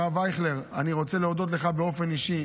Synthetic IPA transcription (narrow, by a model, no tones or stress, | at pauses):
avajχle̞ʁaniʁo̞t͡se̞leod̪o̞t̪̬le̞χabeo̞fe̞niʃi